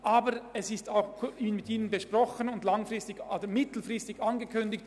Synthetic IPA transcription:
ʔaːbəɾɛsɪstaʊxʰiːnmɪtiːnənbəʃprɔxənʊndlaŋfrɪstɪɡoːdəmɪtl̩frɪstɪɡanɡəkʰʏndɪkt

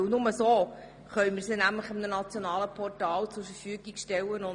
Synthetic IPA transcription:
nʊməsoː | χœʏmɪɾsɪnæmləχɪmnənɑt͡sjonɑːləpʰɔrtɑːlt͡sʊɾfəɾfyəɡiɡʃtɛlːənʊ

